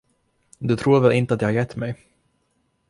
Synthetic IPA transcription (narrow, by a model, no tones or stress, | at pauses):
d̪ɵt̪ʰɾuːɾvɛlɪnt̪əat̪djɑhaɾjɛt̪ːmɛj